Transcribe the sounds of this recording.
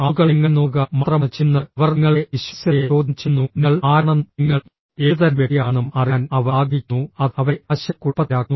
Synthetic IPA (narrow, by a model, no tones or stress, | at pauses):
ɐɣɐɭŋːɐnːuːɣɐmɐt̪rɐmt͡ɕinːɐʋɐrŋːɐɭeiɕɐsjɐjet͡ɕo̞ːd̪ʱit͡ɕːunːunɐɭaːɳɐniŋːɐɭ | eːðɐɾʋeɽijaːnɐmɐrɐːnɐʋɐːɡinːuɐðɐʋɐɐɕjɐkːupɐaːkːu